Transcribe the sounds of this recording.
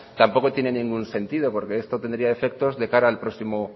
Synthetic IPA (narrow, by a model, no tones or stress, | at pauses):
t̪ampo̞ko̞t̪je̞ne̞nĩŋɡunse̞nt̪ið̞o̞po̞ɾkeest̪o̞t̪e̞nd̪ɾiae̞fe̞k̚t̪ozðe̞kaɾaːlpɾo̞simo